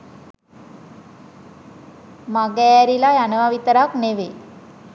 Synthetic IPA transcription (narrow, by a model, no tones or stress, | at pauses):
maɡɛːɾilajanəʋaʋit̪əɾakneʋe